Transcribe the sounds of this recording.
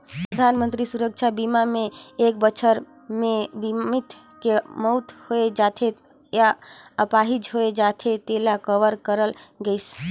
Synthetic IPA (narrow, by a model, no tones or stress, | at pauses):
pɾəd̪ʱanmə̃nt̪ɾisuɾək̚t͡ʃʰabimamẽek̚bət͡ʃʰəɾ | mebimit̪ | kemɔʊt̪hoed͡ʒat̪ʰe | jaəpaɦid͡ʒɦoed͡ʒat̪ʰet̪elakəʋəɾkəɾəlɡəjs